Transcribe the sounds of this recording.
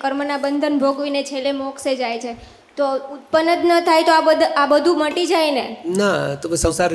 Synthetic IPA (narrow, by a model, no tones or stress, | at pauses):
kəɾmənabənd̪ʱənbʱoɡʋinet͡ʃʰelemɔksed͡ʒajt͡ʃʰe | t̪out̪̚pənːət̪nət̪ʰajt̪oabəd̪ʱabəd̪ʱuməʈid͡ʒajnenat̪obəsə̃wsaɾ